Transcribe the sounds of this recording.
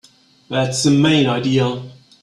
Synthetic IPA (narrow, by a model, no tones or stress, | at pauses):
ðætsəmẽɪ̃naɪdiəlˠ